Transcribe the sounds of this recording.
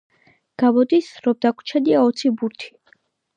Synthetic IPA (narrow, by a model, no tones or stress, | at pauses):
ɡ̥amɔd̪isɾɔb̚d̪akʷʰt͡ʃʰɛd̪iaɔt̪sʰibuɾt̪ʰi̥